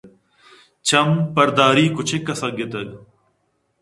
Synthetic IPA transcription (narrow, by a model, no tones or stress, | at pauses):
t͡ʃɐmpɐɾd̪aːɾiːkʊt͡ʃʰekːɐsɐɡet̪ɐɡ